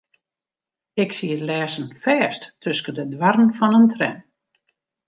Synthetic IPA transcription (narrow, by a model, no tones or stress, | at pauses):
ɪksiəlɛːsən̩fɛːsttʰøskədədwarən̩fɔnəntʰrɛ̰n